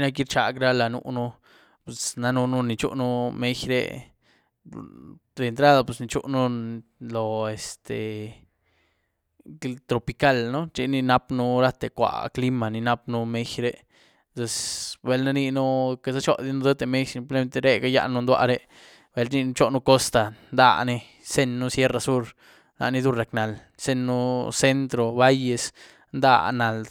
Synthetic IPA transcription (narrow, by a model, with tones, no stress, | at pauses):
na˦k̬i˦ɾt͡ʃa˨kɾa˦la˨nṵ˧nu˦ | pe˨sna˧nu˧nu˧ni˧t͡ʃṵ˦ʔnu˦me˦jɾḛ˧ | d̪e˨˧nt̪ɾa˦d̪a˧pe˨sni˧t͡ʃṵ˦ʔnu˦lo˨e˨st̪e˨ | t̪ɾo˨pi˧ka˦lno˦t͡ʃi˧ni˧na˦pnu˦ɾa˦t̪e˨kʷa̰˨kli˦ma˨ni˧na˦pnu˦me˦xɾe˦ | t̪we˧sbe˨˧lna˦ni˧nu˦ke˧sa˦t͡ʃo̰˦d̪i˦nu˦d̪e˦t̪e˨me˦ʃi˧mple˧˦me˦t̪e˧ɾe˦ɡa˦ja̰˧nu˦nd̪wa̰˧ɾe˦ | be˧˦lni˧nu˧t͡ʃo˦nu˧ko˦st̪a˨nd̪a̰˦˧ne˧ | se˧nːu˦sje˦ɾa˧su˦ɾ | nʔa̰˧ʔni˦˧d̪u˦˧ɾa˨kna˨l | se˦˧nːu˦se˦nt̪ɾo˧ba˦je˧s | nd̪a̰˦na˨l